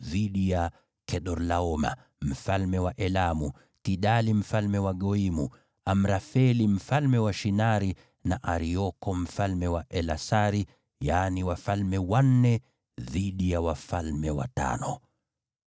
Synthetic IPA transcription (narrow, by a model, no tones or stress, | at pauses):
ðiɗija | kɛɗɔɾlaɔma̰ | m̩falmɛwaʔɛlamu | tiɗalim̩falmɛwaɠɔimu | am̩ɾafɛlim̩falmɛwaʃinaɾi | naʔaɾiɔkɔm̩falmɛwaʔɛlasaɾi | jaːniwafalmɛwan̩nɛ | ðiɗijawafalmɛwa̰ta̰nɔ